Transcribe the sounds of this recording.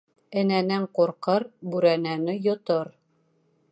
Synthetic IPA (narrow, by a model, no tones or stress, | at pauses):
ɘ̆nænæɴquɾqɤɾbʉɾænænɘjŏt̪oɾ